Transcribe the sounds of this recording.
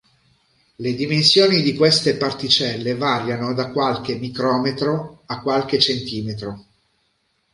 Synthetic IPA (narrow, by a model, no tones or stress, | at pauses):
led̪imensjoːnid̪ikwest̪epart̪it͡ʃɛlːevaːɾjanod̪akwalk̟emikɾɔːmet̪ɾoakːwalk̟et͡ʃent̪iːmet̪ɾo